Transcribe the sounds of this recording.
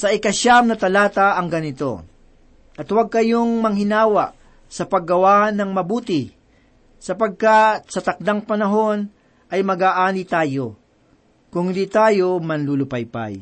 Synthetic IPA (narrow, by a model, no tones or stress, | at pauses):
sɐɪkɐʃamnɐt̪ɐlaːt̪aɐŋɡɐnɪt̪o̞̰ | ʔɐt̪waɡ̚kɐjoŋmɐŋɦɪnaːwaʔ | sɐpɐɡɐwanɐŋmɐbuːt̪ɪ | sɐpɐɡ̚kat̪̚sɐt̪ɐk̚d̪aŋpɐnɐɦo̞n | ʔɐjmɐɡaːʔaːnit̪aːjo | kʊŋd̪it̪aːjo̞mɐnlulʊpajpa̰j